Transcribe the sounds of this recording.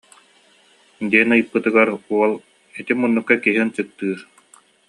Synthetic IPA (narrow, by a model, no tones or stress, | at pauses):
d̪iɛnɯjɯpːɯt̪ɯɡaɾuɔlˠ | it̪imunːukːakiɦint͡ɕɯk̚t̪ɯːɾ